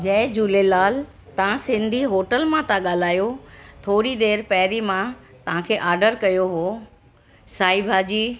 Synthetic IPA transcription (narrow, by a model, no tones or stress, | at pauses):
d͡ʑɐ̃ɪd͡ʑuːlelaːl | t̪ɐʋ̤ãsɪ̃nd̪ʱiɦoːʈəlmãt̪ãɠaːl̤aːjot̪ʰoːɾid̪eːɾpɐɦɾimãt̪ɐʋ̤ãkʰeːʔaːɾɖəɾkɐjoɦo | saːibʱaːd͡ʑiː